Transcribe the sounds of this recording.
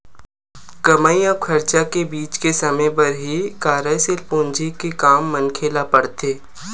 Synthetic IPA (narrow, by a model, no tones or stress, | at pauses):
kɐmaijãkʰɐɾt͡ʃakebiːt͡ʃkesɐmə̃jpɐɾɦikaːɾəjsɪlpõːnd͡ʒʱikekaːmːɐnkʰeːlapɐɽt̪ʰeː